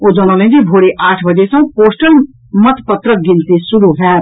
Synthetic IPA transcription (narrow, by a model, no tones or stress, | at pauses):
oːd͡ʒaːnaleẽd͡ʒibʱoːɽeʔaːʈʰbəd͡ʒesə̃poːsʈəl | mət̪pət̪ɾək̚ɡɪnt̪esʊɾuɦɛː